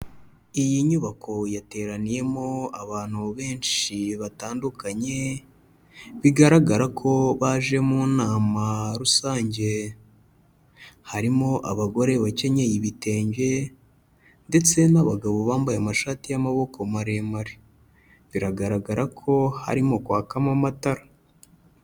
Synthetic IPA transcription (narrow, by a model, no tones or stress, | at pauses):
ijiɲuβakʰo̞jate̞ːɾanije̞mo̞aβaːn̥huβe̞ːnʃiβataːndukaɲe̞ | βiɡaɾaɡaɾakʰo̞βaʒe̞munaːmaɾusaːɲɟe̞ | haɾimo̞ʔaβaɡo̞ɾe̞βace̞ɲe̞jiβite̞ːɲɟe̞ | nde̞t͡se̞naβaɡaβo̞βaːmbajamaʃaːtijamaβo̞kʰo̞maɾe̞maɾe | βiɾaɡaɾaɡaɾakʰo̞ha̰ɾimo̞kwaːkamamataɾa